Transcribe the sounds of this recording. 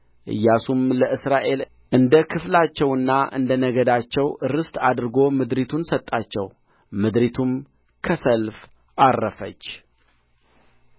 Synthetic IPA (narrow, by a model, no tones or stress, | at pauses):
ʔɨ̰jːasumləʔɨsɾaʔe̞l | ʔɨnd̪əkʰɨflat͡ʃːɛwɨnːaʔɨ̰nd̪ənəɡəd̪at͡ʃːɛwɨɾɨst̪ad̪ɾɨɡo̞mɨd̪ɾit̪ʰunsət̪ʼːat͡ʃːɛw | mɨd̪ɾit̪ʰum | kʰəsəlf | arːəfət͡ʃː